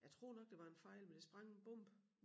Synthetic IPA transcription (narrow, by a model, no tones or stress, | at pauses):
jɑt͡sʰʁo̝̰ːnɒ̽ɡ̥̚d̥e̝ʋɑ̈e̝nfɑ̈ɪ̰lmend̥e̝sb̥ʁɑ̈ŋ̰enb̥ɔ̽m̰b̥